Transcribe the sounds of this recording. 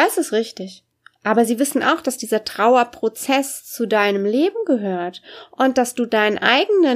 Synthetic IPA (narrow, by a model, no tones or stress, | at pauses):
d̥asɪstʁɪçtɪç | ʔaːbɐziːvɪsn̩ʔa̰ʊxd̥asd̥iːzɐtʁ̥aʊɐpʁ̥ot͡sɛst͡sudaɪnəmleːbm̩ɡəɦøːɐtʔʊnt̚d̥asd̥uːdaɪnənʔa̰ɪɡənə